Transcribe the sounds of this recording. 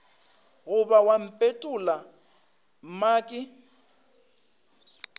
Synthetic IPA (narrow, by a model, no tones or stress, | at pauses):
ɣʊbawam̩pʼetʼʊla | m̩maːkʼɪ